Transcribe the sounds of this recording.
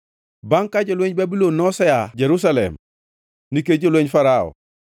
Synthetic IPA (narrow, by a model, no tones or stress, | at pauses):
baŋkaɟelweɲbabilonːɔsejaɟeɾus̬alḛm | nikeɟelweɲfaɾao̰